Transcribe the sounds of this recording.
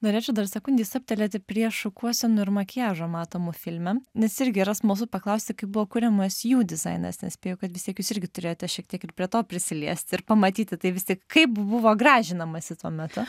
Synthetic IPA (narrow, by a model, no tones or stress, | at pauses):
noːɾʲeːt͡ʃʲɛʊd̪ɐrsʲɛkʊnʲdʲiːsɐp̚ʲt̪ʲɛlʲeːt̪ʲɪpʲɾʲiɛʃʊkuɔsʲɛnʊɪɾmɐkʲɪjæːʒoːmɑːt̪oːmuːfʲɪlʲmʲɛnʲɛsɪɾʲɡʲɪɾɐsmuːsʊpɐklˠɐʊsʲt̪ʲɪkɐɪp̚bʊʋoːkʊɾʲɛmɐsjuːd̪ʲɪzɐ̰ɪnɐ̰snʲɛsʲpʲeːjɛʊkɐt̪ʋʲɪst̪ʲiɛkjuːsɪrʲɡʲɪt̪ʊɾʲeːjoːt̪ʲɛʃʲiɛk̚t̪ʲiɛkɪrpʲɾʲiɛt̪oːpʲɾʲɪsʲɪlʲiɛsʲt̪ʲɪrpɐmɐt̪ʲiːt̪ʲɪt̪ɐɪʋʲɪsʲt̪ʲiɛkkɐɪpbʊʋoːɡrɑːʒʲɪnɐmɐsʲɪt̪uɔmʲɛt̪ʊ